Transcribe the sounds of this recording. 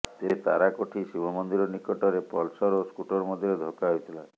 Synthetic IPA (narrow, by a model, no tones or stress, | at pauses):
t̪et̪a̰ɾakoʈʰisibʱɔmɔnd̪iɾɔnikɔʈɔɾepɔlsɔɾoskuʈɔɾmɔd̪ʱiɾed̪ʱokaɦojt̪ʰila